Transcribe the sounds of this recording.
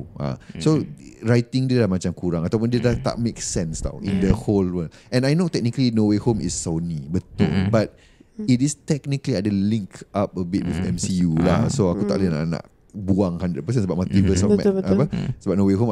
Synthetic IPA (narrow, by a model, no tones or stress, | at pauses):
a̰sorajt̪iŋdiəlahmat͡ʃamkuɾaŋat̪awp̬ʊndiədat̪a̰ʔmeksɛ̃nst̪a̰wḭ̃ndəholwəlɛ̃najnot̪ɛk̚nikəlinowehomḭsːownibət̪ʊ̰lbat̪̚ | itist̪ɛk̚nikəliadəlĩŋkap̚əbit̚wifɛ̰̃msijula̰soakut̪a̰ʔləna̰ʔna̰ʔ | buãŋhandəd̚pəs̬ə̃nsəbap̚mat̪ivəsɔmɛapəsəbap̚noweɦom